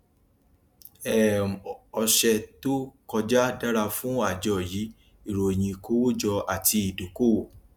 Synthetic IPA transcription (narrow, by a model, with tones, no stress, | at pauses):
ɛ˨ɔ˧ʃɛ˧to˦kɔ˧d͡ʒa˦da˦ɾa˧fũ˦a˦˨d͡ʒɔ˨ji˨˦ | i˦˨ɾo˨j̃ĩ˧ko˦wo˦d͡ʒɔ˧a˨ti˧i˨do˨ko˦˨wo˨